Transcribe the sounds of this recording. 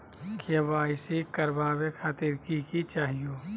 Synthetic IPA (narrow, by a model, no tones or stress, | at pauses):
kʰebaːɪsikɐɾbʱaːbekʰaːt̪iɾkikit͡ʃaːɦijoː